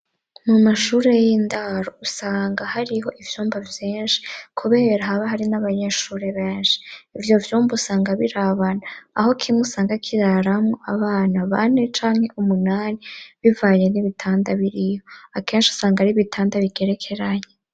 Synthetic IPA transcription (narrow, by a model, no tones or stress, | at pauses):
mumaʃuːɾe̞jindaɾousaːŋɡahaɾiɦo̞ʔivjuːmbavjeːnʃi̥kʰuβe̞ːɾaɦaβaɦaɾinaβaɲe̞ʃuːɾe̞βe̞ːnʃi̥ivjo̞vjuːmbausaːŋɡaβiɾaβanaa̰ɦo̞kʰimusaːŋɡakʰiɾaɾamŋo̞ʔaβaːnaβa̰ne̞t͡ʃaːŋhe̞ʔumunaːniβivaɲeniβitʰaːndaβiɾijoake̞ːnʃiu̥saːŋɡaɾiβitʰaːndaβiɡe̞ɾe̞kʰe̞ɾaɲe